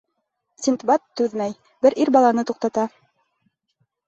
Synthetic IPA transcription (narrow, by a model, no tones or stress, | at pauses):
sʲint̪bɑt̪ːʉðmæj | bɘɾʔiɾbɑlˠɑnɤt̪uq̚t̪ɑt̪ɑ